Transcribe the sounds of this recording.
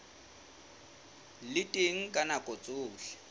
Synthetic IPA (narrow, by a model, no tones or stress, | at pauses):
lɪtʼeŋ̩kʼanakʼot͡sʼʊːɬɛ̥